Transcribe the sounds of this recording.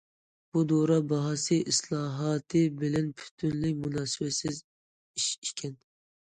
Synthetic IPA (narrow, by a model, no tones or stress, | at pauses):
b̥ud̪oɾɑbɑɦɑsɨʔislˠɑːɦɑt̪ʰɨbɪlɛnpʰy̥t̪ʰynlɪkʲmunɑːsɪbɛsɪz | iʃikʲʰɛn